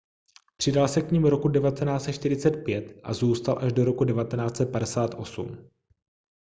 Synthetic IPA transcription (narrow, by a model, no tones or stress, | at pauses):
pr̥ɪdalsɛkɲiːmɾo̞kudɛvat̪ɛnaːt͡sʃt̪ɪɾɪt͡sɛt̪̚pjɛt̪ʔa̰zuːst̪alʔaʒdo̞ɾo̞kudɛvat̪ɛnaːt͡sɛt̪̚padɛsaːt̪ʔo̞sṵm